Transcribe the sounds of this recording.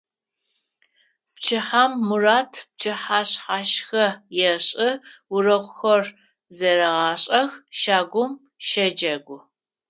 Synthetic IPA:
pt͡ʃʰɪħaːmːuraːtʰp̚t͡ʃʰɨħaːɕħaːʃxɐjɛɕʼɨwʊrɐʁʷʊxɐr | zɐɾɐʁɑːɕʼɐxʃaːɡʷʊm | ʃɐd͡ʒɐɡʷʊ

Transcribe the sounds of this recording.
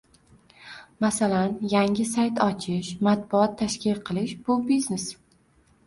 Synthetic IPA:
masalanjaŋɪsajt̪ʰɒt͡ʃʰɪʃmat̪̚bʊɒt̪ʰːaʃkʲɪlqʰɨlˠɪʃb̥ʊbiznes

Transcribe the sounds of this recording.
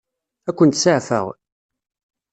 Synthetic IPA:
ækʷːənt̪saʕfə̰ʁ

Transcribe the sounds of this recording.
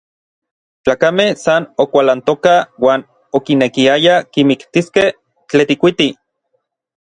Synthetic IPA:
t͡ɬaːkamehsanokʷalant̪okawaːn | okinekiajakimikt̪iskeh | t͡ɬet̪ikʷit̪i

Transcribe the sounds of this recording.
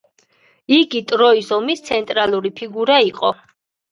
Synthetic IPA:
iɡit̪ʼɾɔisɔmist̪sʰɛnt̪ʼɾalˠuɾipʰiɡuɾaiqʼɔ

